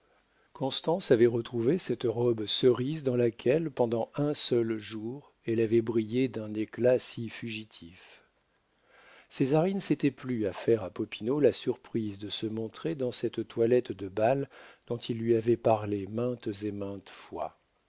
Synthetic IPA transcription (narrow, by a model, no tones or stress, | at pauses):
kɔ̃st̪ɑ̃savɛʁət̪χuvesɛt̪ʁɔbsəʁizd̪ɑ̃lakʲʰɛlpɑ̃d̪ɑ̃ɛ̃sœlʒuʁ | ɛlavɛbʁijed̪ɛ̃neklasifyʒit̪ʰif | sezaʁinəset̪ɛplyafɛʁapɔpinolasyʁpχizd̪əsəmɔ̃t̪χed̪ɑ̃sɛt̪t̪walɛt̪d̪əbald̪̥ɔ̃t̪ʰilːɥiavɛpaʁlemɛ̃t̪zemɛ̃t̪fwa̰